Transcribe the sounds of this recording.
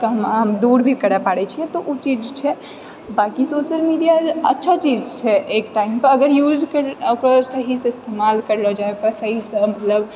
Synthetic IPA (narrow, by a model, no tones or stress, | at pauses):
kaɦəmɦəmd̪uɾbʱikəɾapaɽɛt͡ʃʰiɛt̪ɔʔut͡ʃid͡ʒt͡ʃʰɛ | bakisoːʃəlmiɖijaətːʃʰat͡ʃid͡ʒt͡ʃʰɛʔekʈaimpəɾəɡəɾjuːd͡ʒkəɾokɾasəɦisẽɪst̪emalkəɾlɔd͡ʒaepəɾsəɦisəmət̪ləb